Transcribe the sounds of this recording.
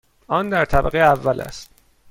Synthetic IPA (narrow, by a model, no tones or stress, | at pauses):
ʔɒnd̪æɾt̪ʰæbæ̰ɣejævːælʔæ̰st̪